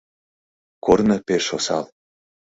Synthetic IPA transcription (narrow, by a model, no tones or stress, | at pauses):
kornɤpeʃosɑ̰l